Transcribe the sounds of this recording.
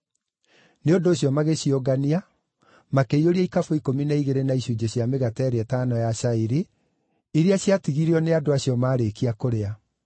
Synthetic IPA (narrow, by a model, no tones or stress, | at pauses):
neodoːɕjɔmaɣeɕioɡania | makeioɾiaikafoikominaiɣeɾenaiɕud͡ʑeɕjameɣatɛɾeɛtaːnɔjaɕaiɾe | iɾeaɕiatiɣiɾeɔneadoaɕjɔmaːɾekiakoɾea